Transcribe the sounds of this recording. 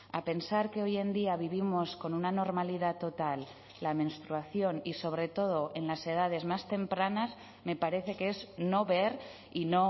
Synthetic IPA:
ape̞nsaɾke̞o̞je̞nd̪iaβ̞iβ̞imo̞sko̞nunano̞ɾmaliðat̪o̞t̪alː | amẽ̞nst̪ɾuaθjo̞niso̞βɾe̞t̪o̞ðo̞ʔe̞nlase̞ð̞að̞e̞zmast̪e̞mpɾanaz | me̞paɾe̞θe̞keezno̞βe̞ɾ | ino̞

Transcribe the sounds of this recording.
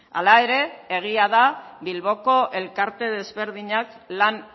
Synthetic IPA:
a̰lae̞ɾe̞eɣ̞iaðaβilβo̞ko̞ʔe̞lkaɾt̪e̞ðe̞zβe̞ɾðiɲak | lan

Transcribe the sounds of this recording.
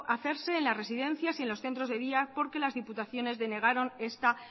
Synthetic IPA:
ʔaθe̞ɾse̞ːnlasre̞siðe̞n̟θjasie̞nlo̞sθe̞nt̪ɾo̞zðe̞ðiapo̞ɾke̞lazðiput̪aθjo̞ne̞zðe̞ne̞ɣ̞aɾo̞ne̞st̪a

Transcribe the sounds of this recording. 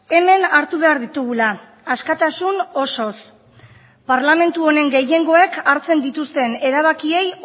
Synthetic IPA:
e̞me̞naɾt̪uβ̞e̞aɾðit̪uɣ̞ulaː | skat̪asuno̞so̞s | paɾlame̞nt̪uo̞ne̞ŋɡe̞je̞ŋɡo̞e̞kʰaɾt͡se̞nd̪it̪ust̪e̞ne̞ɾaβ̞akie̞j

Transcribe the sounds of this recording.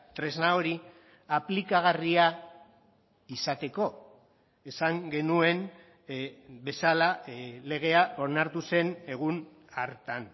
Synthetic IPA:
t̪ɾe̞znaoɾi | aplikaɣaria | isat̪e̞ko̞ | e̞saŋɡe̞nue̞m | be̞salale̞ɣ̞e̞aʔo̞ɾnaɾt̪use̞ne̞ɣ̞un | aɾt̪an

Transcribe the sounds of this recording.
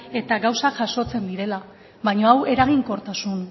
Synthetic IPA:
e̞t̪aɣawsaʝaʃo̞t͡se̞nd̪iɾe̞la | βaɲo̞awe̞ɾaɣ̞iŋko̞ɾt̪asun

